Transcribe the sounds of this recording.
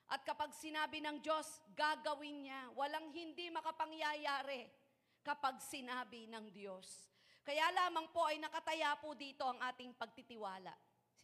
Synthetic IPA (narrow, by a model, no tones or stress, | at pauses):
ʔɐt̪̚kɐpaɡsɪnaːbɪnɐŋdo̞sɡaɡɐwɪnɲawɐlaŋɦɪnd̪imɐkɐpɐŋjajaːɾɛ | kɐpaɡ̚sɪnaːbɪnɐŋd̪jo̞s | kɐjalaːmɐŋpo̞ʔɐjnɐkɐt̪ɐjapʊd̪iːt̪o̞ʔɐŋʔaːt̪ɪŋpɐɡ̚t̪ɪt̪ɪwaːlɐ̰ʔ